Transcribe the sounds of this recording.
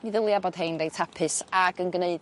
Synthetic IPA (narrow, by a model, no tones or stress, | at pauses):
niðɪlˠjabɔd̥ɦejndejtʰapʰɨsaɡənɡneɨd